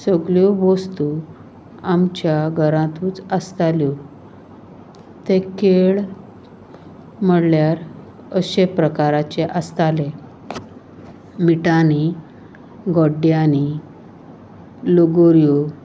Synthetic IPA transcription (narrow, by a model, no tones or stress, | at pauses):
səɡɭjɔbɔst̪u | amt͡ɕjaɡʱəɾãt̪ũːt͡səst̪alju | t̪ẽkeɭ | m̤əɽljaɾ | əɕepɾəkaɾat͡ɕeʔəst̪ale | miʈani | ɡɔɖːjani | loɡoɾju